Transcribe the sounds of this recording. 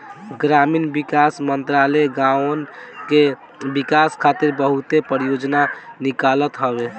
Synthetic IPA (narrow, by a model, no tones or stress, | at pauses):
ɡɾaminbikasmənt̪ɾaleɡãnke | bikaskʰat̪iɾbəɦut̪epəɾjod͡ʒnanikalət̪ɦəbe